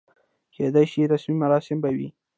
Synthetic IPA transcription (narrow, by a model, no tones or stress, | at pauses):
kʰed̪ajʃiɾasmimaɾɑsɪmbawḭ